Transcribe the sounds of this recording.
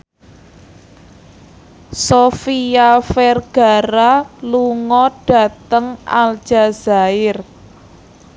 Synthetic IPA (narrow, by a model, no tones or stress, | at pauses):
sofiafɛrɡ̥a̤ɾaluŋɔɖ̥ä̤t̪əŋʔa̰ld̥ʒ̥a̤z̥aɪr